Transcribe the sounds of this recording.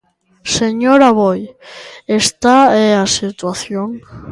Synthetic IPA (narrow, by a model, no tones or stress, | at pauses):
seɲoɾaβojest̪aeasit̪waθjoŋ